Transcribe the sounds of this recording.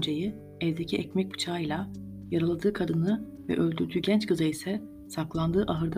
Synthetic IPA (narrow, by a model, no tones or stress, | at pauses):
nd͡ʒeji | ɛvd̪ecʰiʔɛcmɛc̚bu̥t͡ʃʰaːjlʲˠa | jaɾalˠad̪ɯːkʰad̪ɯnɯ | vɛ̰ʔø̞lʲd̪yɾd̪yːɟɛnt͡ʃkʰɯzaisɛ | saklˠand̪ɯːʔaɦɯɾd̪